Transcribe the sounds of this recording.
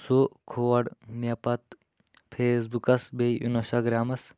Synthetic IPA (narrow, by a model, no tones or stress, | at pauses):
sokʰoːɐɖmepɐt̪ | pʰeːs̬bukɐsbeʔinsaɡɾaːmɐs